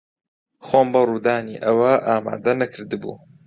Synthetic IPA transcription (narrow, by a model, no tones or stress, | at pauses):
xoːmbɐruːd̪aːniːʔɐwɐʔaːma̰ːd̪ɐnɐkʰɨɾd̪ɨbṵː